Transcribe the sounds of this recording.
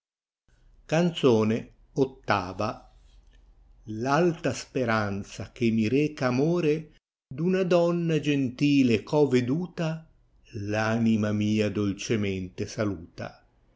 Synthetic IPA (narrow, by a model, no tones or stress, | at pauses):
kant̪soːne | ot̪ːaːva | lalt̪aspeɾant̪sak̟emːiɾɛːkaːmoːɾe | d̪unad̪ɔnːad͡ʒent̪iːlekʰɔved̪uːt̪a | laːnimamiːad̪olt͡ʃemɛnt̪esaluːt̪a̰